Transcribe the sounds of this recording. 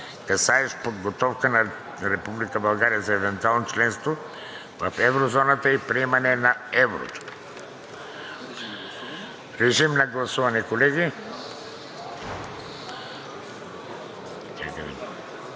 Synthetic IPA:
kɐsaɛʃpod̪ɡot̪ɔfkənɐ | ɾɛpublikəbɐlˠɡaɾijəzɐɛvɛnt̪ualˠnot͡ʃlɛnst̪vo | vɐfɛvɾozɔnət̪əipɾiɛmɐnɛnɐɛvɾo̰t̪o̥ | ɾɛʒimnɐɡlˠɐsuvɐnikolɛɡi | t̪a̰kəvḭ

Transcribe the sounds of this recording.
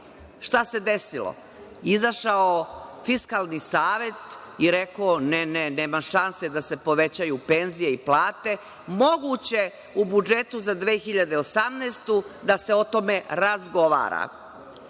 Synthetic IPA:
ʃt̪ase̞d̪e̞silo̰ | izaʃaofiskalˠnisaːʋe̞t̪ | iɾe̞koːneneneːmaʃanse̞d̪ase̞po̞ʋe̞t͡ɕajupe̞nzije̞iplaːt̪e̞ | mo̞ɡut͡ɕe̞ | ubud͡ʒet̪uzad̪ʋeːxiʎad̪eosamnɛst̪ud̪ase̞o̞t̪o̞me̞ɾazɡoʋa̰ːɾa̰

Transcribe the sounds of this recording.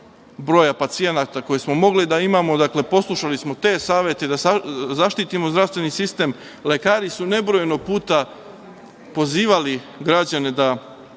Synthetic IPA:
bɾo̞ːjapat̪sije̞nat̪ako̞jesmo̞mo̞ɡlid̪aimamo̞d̪akle̞po̞slˠuʃalismo̞t̪e̞ːsaːʋje̞t̪e̞d̪azaʃt̪it̪imo̞zd̪ɾaʋst̪ʋe̞nisist̪e̞ːm | le̞kaːɾisune̞bɾo̞jenoɡ̚puːt̪a | po̞ziːʋali | ɡɾad͡ʑane̞d̪a

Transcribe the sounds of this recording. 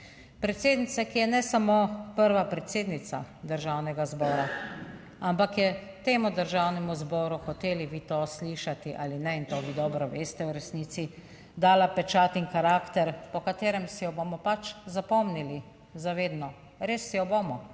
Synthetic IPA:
pɾɛt̪seːd̪nit̪sakijɛnɛsamopəɾʋapɾɛt̪seːd̪nit̪sa̰d̪əɾʒaːwnɛɡazbɔːɾa | ampakjɛ | t̪eːmud̪əɾʒawnɛmuzbɔːɾuxɔt̪eːliʋiːt̪osliːʃat̪iʔa̰ːlinɛint̪oːʋiːd̪ɔːbɾɔʋeːst̪ɛwɾɛsniːt̪si | d̪aːlapɛt͡ʃaːt̪inxaɾaːkt̪ɛɾpɔkat̪eːɾɛmsɛjɔbomɔpat͡ʃzapɔmnili | zaʋeːd̪nɔ | ɾeːsːɛjɔboːmɔ

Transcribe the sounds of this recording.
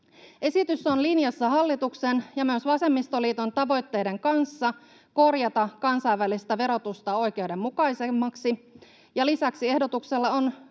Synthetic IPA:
e̞sit̪ysonlinjɑsːɑɦɑlːit̪uksenjɑmyøsʋɑse̞mːist̪oliːt̪o̞nt̪ɑʋo̞jt̪ːe̞jde̞ŋkɑnsːɑ | ko̞rjɑt̪ɑkɑnsɑjʋːælist̪æʋe̞ɾo̞t̪ust̪ɑo̞jk̟e̞uwde̞mːukɑjsemːɑksi | jɑlisæksie̞hdot̪ukselːɑon

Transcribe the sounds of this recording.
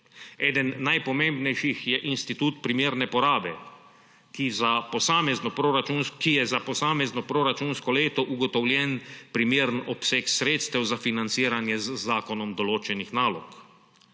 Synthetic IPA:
ɛːd̪ənːajpɔmẽmbnɛjʃixjɛʔinst̪it̪uːt̪pɾimeːɾnɛpɔɾaːbɛ | kizapɔsaːmɛznɔpɾoɾat͡ʃunskijɛzapɔsaːmɛznɔpɾoɾat͡ʃunskɔleːt̪ɔʔuɡɔt̪ɔwlʲjɛnpɾimeːɾənɔpseːksɾeːt̪st̪ɛwzafinant̪siːɾanjɛzzaːkɔnɔmd̪ɔloːt͡ʃɛnixnaːlɔ̰k

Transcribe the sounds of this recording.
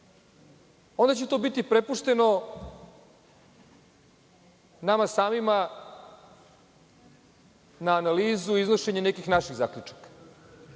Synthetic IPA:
o̞nd̪at͡ɕet̪o̞bit̪ipɾe̞puʂt̪e̞no̞ | namasaːmima | naːnaliːzuizno̞ʃe̞ɲenekixnaʃiɣza̰kʎut͡ʂḁkḁ

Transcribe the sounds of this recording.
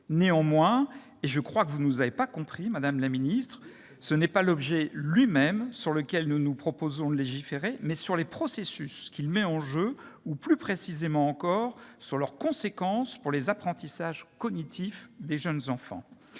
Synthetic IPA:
neɑ̃mwɛ̃ | eʒəkχwakəvunuzavepakɔ̃pχimad̪amlaminist̪χ | sənɛpalɔbʒɛlɥimɛmsyʁləkʲɛlnunupχɔpozɔ̃d̪əleʒifeʁemɛsyʁlepχɔsesyskʲilmɛɑ̃ʒøuplypχesizemɑ̃ːkɔʁsyʁlœʁkɔ̃sekɑ̃spuʁlezapχɑ̃t̪isaʒkɔnit̪ʰifd̪eʒənzɑ̃fɑ̰̃

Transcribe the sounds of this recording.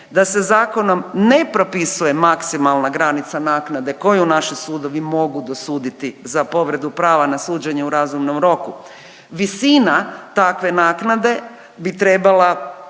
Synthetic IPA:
d̪ase̞zaːko̞no̞mne̞pɾo̞pisuje̞maksimalˠnaɡɾanit̪sanaːknad̪e̞ko̞junaʃisuːd̪o̞ʋimo̞ɡud̪o̞suːd̪it̪izapo̞ʋɾe̞d̪upɾaːʋanasuːd͡ʒeɲeuɾazumno̞mɾo̞ku | ʋisinat̪akʋe̞naːknad̪e̞ | bit̪ɾe̞bala

